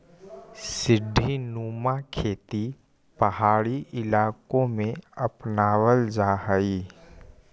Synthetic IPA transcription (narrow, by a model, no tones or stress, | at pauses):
sɪɖʱːinuːmakʰeːt̪i | pɐhaːɽiʔɪlaːkõmẽɐpnaːʋəld͡ʒaːɦəiː